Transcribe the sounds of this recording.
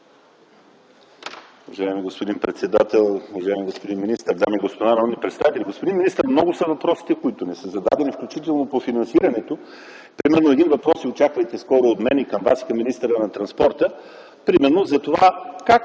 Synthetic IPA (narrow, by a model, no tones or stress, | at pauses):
uvɐʒaɛmiɡospod̪inpɾɛt̪sɛd̪at̪ɛlˠuvɐʒaimiɡospod̪inminist̪əɾd̪amiɡospod̪anɐɔmnipɾɛt̪st̪a̰vit̪ɛlʲiɡospod̪inminist̪əɾmnɔɡʊsəvɐpɾɔsi̥t̪ɛkoit̪ʊnɛsəzɐd̪a̰d̪ɛnifklʲut͡ʃit̪ɛlˠnopofinɐnsiɾɐnɛt̪o | pɾimɛɾnoɛd̪invɐpɾɔsiot͡ʃakvəjt̪ɛskɔɾoːt̪mɛnikəmva̰si̥kɐmːinist̪əɾənɐt̪ɾɐnspɔɾt̪ə | pɾimɛɾnozɐt̪ova̰kak